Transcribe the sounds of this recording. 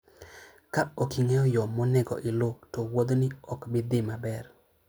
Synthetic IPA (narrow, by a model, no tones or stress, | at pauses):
kaokiŋeɔjɔmɔnɛɡɔ̰ʔɪlotowod̪nɪɔkbɪd̪ɪmabɛr